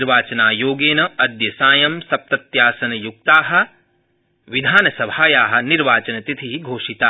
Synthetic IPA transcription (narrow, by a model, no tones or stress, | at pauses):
ɾʋaːt͡ʃɐnaːjoːɡeːnɐɐd̪jɐsaːjɐmsɐp̚t̪ɐt̪jaːsɐnɐjuk̚t̪aːɦɐ̆ | ʋid̪ʱaːnɐsɐbʱaːjaːɦɐ̆niɾʋaːt͡ʃɐnɐt̪it̪ʰiɦiɡʱoːʂit̪aː